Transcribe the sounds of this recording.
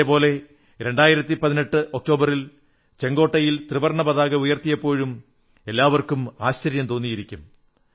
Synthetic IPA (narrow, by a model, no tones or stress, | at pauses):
epo̞ːle̞ | ɾe̞ɳɖaːjiɾɐt̪ːipɐðine̞ʈːɨʔok̚ʈo̞ːbɐril | t͡ɕe̞ŋɡo̞ːʈːɐjilt̪riʋɐrɳɐbɐðaːɣɐujɐrt̪ijɐpːo̞ːɻum | e̞lːaːʋɐrkumaːɕt͡ɕɐɾjɐmt̪o̞ːnːijiɾikʲːum